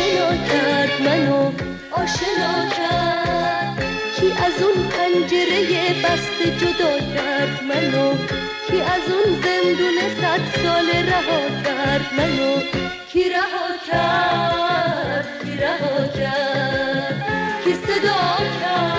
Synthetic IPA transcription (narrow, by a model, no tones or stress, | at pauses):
enɔːkʰaɾd̪mano | ɔːʃenɔkʲʰaɾd̪̥ | kʰiʔæzunpʰænd͡ʒeɾejebæst̪ed͡ʒod̪ɒːkʲʰæɾd̪mæno | kʰiʔæzunzend̪unesæt̪sɔːleɾaɦɒːkʲʰaɾd̪mano | cʰiɾahɔːkʲʰa | ɾd̪kʰiɾahɔkʰæ | d̪kʰised̪ɔːkʲʰaɾ